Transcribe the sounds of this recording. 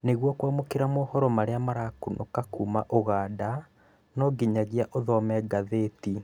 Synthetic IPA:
neɣwɔkwamokeɾamohɔɾɔmaɾeamaɾakunʔokakuːmaʔoɣaːda | nɔɡiɲaɣiaʔoðɔmɛɡaðeti

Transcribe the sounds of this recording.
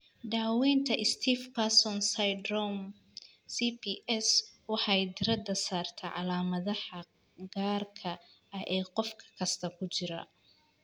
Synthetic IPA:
daːwɛːnt̪ʰɐʔɪst̪ʰiːfkʰasɔnsɐjd̪rɔm | sipʰiːʔɛswɑħɑjd̪ɪɾɐd̪ɐsaːrt̪ʰɐʕɑlaːmɐðɐħɐ | ɡaːrkʰɐ | ɐʔɛːqɔfkʰɐ̥kʰɐst̪ʰɐkʰʊt͡ʃɪɾɐ̰

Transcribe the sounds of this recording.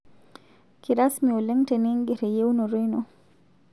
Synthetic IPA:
kiɾasmiɔlɛŋtɛniŋɡɛɾɛjewnɔɾɔjnɔ

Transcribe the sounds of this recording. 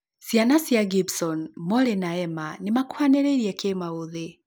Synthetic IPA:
sjanasjaɡibsɔnmɔɾenaɛmanemakwaneɾeiɾiɛkemaoðe

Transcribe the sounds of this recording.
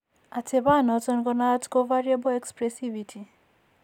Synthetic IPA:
atʰebanɔtɔnɡɔnatkovaɹiabɔɛkspɹɛsivitʰi

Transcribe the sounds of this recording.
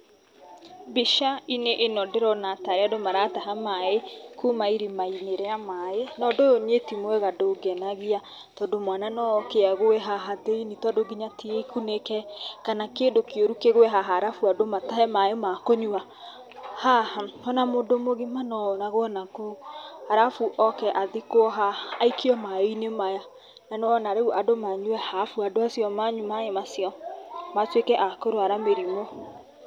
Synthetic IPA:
biʃaineʔenɔdeɾɔnataɾeadomaɾataɦamaekumaiɾimaineɾɛamaenɔdojonetimoɛɣadoɡɛnaɣia | tɔdomwananɔkeaɣoɛɦaɦaðeinitwadoɡiɲatiekunekɛkanakendokjoɾukeɣwɛɦaɦaɾafuadomataɦɛmajomakoɲua | hahaɔnamodomoɣimanɔnaɣoɔnakohaɾafuʔɔkɛʔaðekoɦaːikʰiɔmaiinemaja | nanoɔnaɾeɣuʔadomaɲuɛhafuadoasjɔmaɲumaemasjɔmatwekɛʔakoɾoaɾameɾimo

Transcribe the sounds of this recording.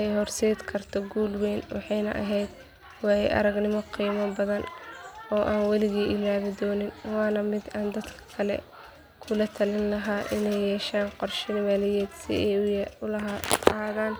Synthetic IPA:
ɛjɦɔrsɛːd̪kʰɐrt̪ʰɔɡuːlwɛːnwɑ̰ħɑjnɐ̰ʔɐ̰ɦɛjd̪ | wɑːɛjʔɐ̰ɾɐɡnɪmɔqiːmɐbɐðɐnɔːʔaːnwɛlɪɣiːʔɪlaːðɪd̪ɔːnɪnwɑːnɐmɪd̪aːnd̪ɐd̪kʰɐɐ̥kʰɐlɛ̰ | kʰʊlɐt̪ʰɐlɪnlɐɦaːʔɪnɛjjɛːʃaːnqɔrʃɪnɪmaːlɪjɛːd̪sɪ̰ɛjʊjʊlɐɦaːðaːn

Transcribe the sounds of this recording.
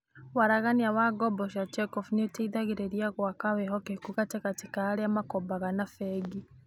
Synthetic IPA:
waɾaɣaniawaɡɔbɔʃat͡ʃɛkɔfunetaiðaɣeɾeɾiaɣwakawɛɦɔkekuɣatɛkatikaːɾeamakɔbaɣanafɛɡi

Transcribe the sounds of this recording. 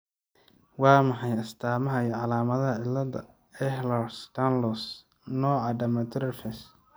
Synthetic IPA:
wɑːmɐħɑjɐst̪ʰaːmɐɦɐjʕɑlaːmɐðɐɦɐʕɪlːɐdɐ̰ | ɛhlɐrst̪ʰanlɔs | nɔːʕɑɖɐmɐt̪ɾɛfɛs

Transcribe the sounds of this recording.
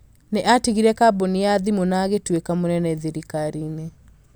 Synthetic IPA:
neʔatiɣiɾɛkaboniaðimonaɣetwekamonɛnɛðeɾikaɾiːne

